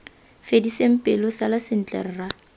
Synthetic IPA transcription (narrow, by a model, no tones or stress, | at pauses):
fedisem̩pʼɪlɔsalasɪn̩t͡ɬʼɛ̰r̩ra